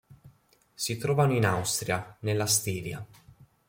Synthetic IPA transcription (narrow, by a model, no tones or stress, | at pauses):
sit̪ɾɔːvanoinawst̪ɾjanelːast̪iːɾja